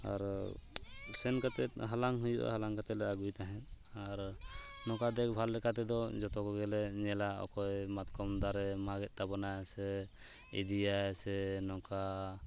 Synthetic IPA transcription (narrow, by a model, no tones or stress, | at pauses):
a̰ɾ | sɛnkat̪ɛt̪ɦalaŋɦujṵʔa̰halaŋkat̪ɛlɛaɡujt̪aɦɛn | aɾnɔkad̪ɛkbʱalːɛkat̪ɛd̪ɔd͡ʒɔt̪ɔkɔɡɛlɛɲɛlaɔ̰kɔjmat̪kɔmd̪aɾɛmaɡɛt̪̚t̪abɔnajsɛ | ḭd̪ijasɛnɔka